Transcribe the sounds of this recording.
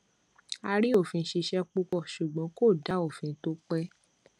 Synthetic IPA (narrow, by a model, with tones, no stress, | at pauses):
a˧ɾi˦o˦˨fĩ˧˦ʃi˧ʃɛ˦k͡pu˧kɔ˦˨ʃu˨ɡ͡bɔ̃˨˦ko˦˨da˨˦o˦˨fĩ˧˦to˦k͡pɛ˦